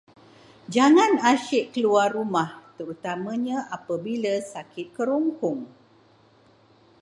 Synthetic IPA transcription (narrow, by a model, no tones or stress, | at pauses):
d͡ʒaŋãnaʃɪʔkəluarumaht̪əɾut̪amə̃ɲãʔapəbiləsakʰɪt̪̚kəɾuŋkʊŋ